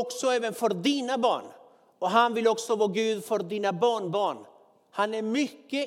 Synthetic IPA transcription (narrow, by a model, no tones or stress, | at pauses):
ɔksɔɛːvənfœɾd̪iːnabɑ̰ːɳ | ɔɦanvɪlɔksɔvoːɡʉ̟ːd̪fœɾd̪iːnabɑːɳbɑːɳ | hanæɾmʏkːə